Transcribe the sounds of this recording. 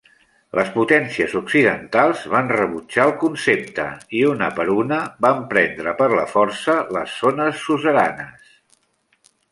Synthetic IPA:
lʔəsput̪ɛnsiəzuksiðənt̪alˠzβanrəβut͡ʃaəlˠkunsep̚t̪ə̰iunəpəɾunəbampɾɛnd̪ɾəpəɾləfɔrsələzːonəsːuzəɾanəs

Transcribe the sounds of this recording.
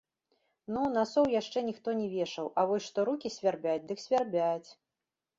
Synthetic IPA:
nunasɔwjaʂt͡ʂɛnʲixt̪ɔnʲɛvʲɛʂɐwʔɐvɔsʲʂt̪ɔɾukʲisʲvʲarbʲat͡sʲd̪ɨksʲvʲarbʲat͡sʲ

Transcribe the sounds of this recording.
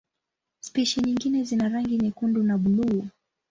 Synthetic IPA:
spiʃiɲiŋɡinɛzinaɾaŋɡiɲikundunaɓuluː

